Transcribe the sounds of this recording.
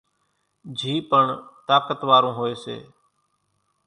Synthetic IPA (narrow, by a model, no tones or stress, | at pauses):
d͡ʒʱiːpəɳt̪aːkət̪ʋaːɾõːɦoːeːsḛː